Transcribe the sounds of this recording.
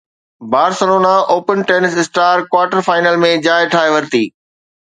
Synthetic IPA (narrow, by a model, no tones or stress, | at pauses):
baːɾsɐloːnaʔoːpənʈeːnɪsɪsʈaːɾkwaːɾʈəɾfaːɪnəlmẽd͡ʑaːɪʈʰaːeʋɐɾt̪iː